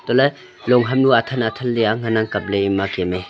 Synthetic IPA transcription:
t̪ɔle | lɔŋɦamnuat̪ʰanat̪ʰalːiaŋanaŋkap̚leimakɛme

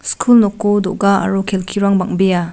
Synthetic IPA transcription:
skʰulnɔkːodɔʔɡaa̰ɾokʰelkʰiɾaŋbaŋbija

